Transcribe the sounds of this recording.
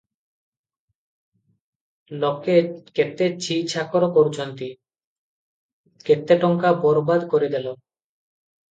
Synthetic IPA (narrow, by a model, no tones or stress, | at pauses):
lokeket̪ːet͡ɕʰit͡ɕʰakoɾokoɾt͡ɕʰont̪i | ket̪ːeʈɔŋkabɔɾbad̪koɾid̪ɛlo